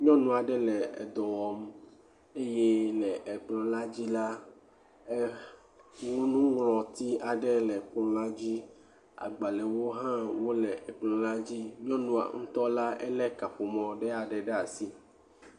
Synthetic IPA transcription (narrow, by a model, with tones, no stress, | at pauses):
ɲɔ̃˦nũ˦a˨ɖɛ˦lɛ˨ḛ˨d̪ɔ̃˨wɔ˨m | e˦je˦lɛ˨ʔe˨k͡plɔ̃˨la˦d͡ʑi˦la˦ | ŋũ˦nũ˦ŋlɔ̃˨t̪i˦a˨ɖɛ˦lɛ˨k͡plɔ̃˦la˦d͡ʑi˦ | a̰˨ɡ͡ba˨lɛ˨wo˦ɦã˦wo˦lɛ˨e˨k͡plɔ̃˨la˦d͡ʑi˦ɲɔ̃˦nũ˦a̰˨ŋ̩̃˦t̪ɔ˦la˦ɛ̰˦lɛ˦ka˨ɸo˨mɔ̃˨ɖɛ˦a˨ɖɛ˨ɖe˦a˨si˦